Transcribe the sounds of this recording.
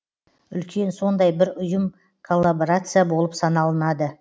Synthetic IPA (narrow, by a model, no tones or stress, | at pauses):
ʏlkʲʰe̞nso̞nd̪ɑjbɪɾʊjəm | kʰolˠːaboɾat̪sɨjabo̞lˠəpsɑnɑlˠənɑd̪ə